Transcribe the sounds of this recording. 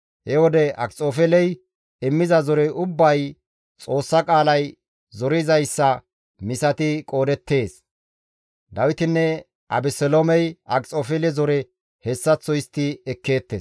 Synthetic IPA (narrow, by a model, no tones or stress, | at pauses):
hɛwɔd̪ɛɐkʼt͡sʼːoːfɛlɛj | ɪmːɪzɐzɔɾɛʔʊbːɐj | t͡sʼo̞ːsːɐkʼaːlɐj | zɔɾɪzɐjsːɐ | mɪsɐt̪ɪkʼo̞ːd̪ɛt̪ːe̞ːs | d̪ɐwɪt̪ɪnːɛ | ʔɐ̰bɛsɛlomɛjɐkʼt͡sʼoːfɛlɛzɔɾɛ | hɛsːɐt͡sːɔjɪst̪ːɪɛkːeːt̪ːeːs